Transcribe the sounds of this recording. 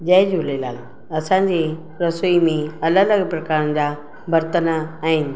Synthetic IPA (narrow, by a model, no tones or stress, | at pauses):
d͡ʑəɪd͡ʑulela̰ːl | ɐsãɲd͡ʑe | ɾəsimẽɐlələɡpɾɐkaːɾən̆d͡ʑa | bʱɐɾt̪ənaaːɦɪnɪ̆